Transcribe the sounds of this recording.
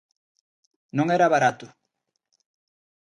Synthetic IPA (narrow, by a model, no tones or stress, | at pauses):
noŋeɾaβaɾat̪o